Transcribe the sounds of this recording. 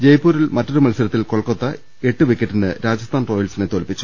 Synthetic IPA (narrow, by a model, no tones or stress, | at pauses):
d͡ʑe̞jpːuːɾilmɐtːoɾumɐlsiɾɐt̪ːilkoɭɐkːot̪ːɐ | e̞ʈːɨʋikʲːɐʈːinɨɾaːd͡ʑɐst̪ʰaːnro̞ːjɐlsinet̪olpːit͡ɕːu̥